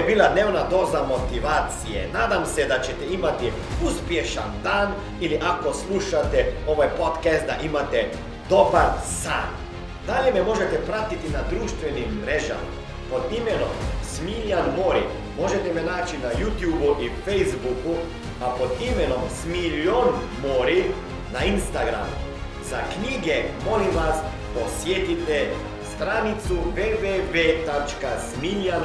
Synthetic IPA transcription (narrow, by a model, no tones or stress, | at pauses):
biːlad̪neːwnad̪oːzamot̪iʋaːt̪sijḛnaːd̪amsɛd̪at͡ʃɛt̪ɛimat̪i | uspjeʃa̰nd̪aːn | iliʔakosluʃat̪ɛoʋajpot̪kɛst̪d̪aʔimat̪ɛ | d̪obaɾsaːn | d̪aʎjɛmɛmoʒet̪ɛpɾat̪it̪inad̪ɾuːʃt̪ʋɛnimːɾɛːʒa̰ma̰ | pod̪imɛnomsmiʎʲanmoɾḭ | mo̞ʒet̪ɛmɛnaːt͡ʃinajut̪jubuʔifejzbuku | apod̪imenomsmiʎon | moɾi | nainst̪aɡɾa̰mṵ | zakɲiːɡɛmolimʋas | posjet̪it̪ɛ | st̪ɾanit̪suʋeːʋeʋet̪at͡ʃkasmiʎjan